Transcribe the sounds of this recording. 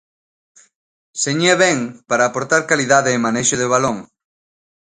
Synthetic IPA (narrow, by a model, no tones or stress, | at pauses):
seɲeβɛŋpaɾaːpoɾt̪aɾkaliðaðeːmanejʃʊðɪβ̞aloŋ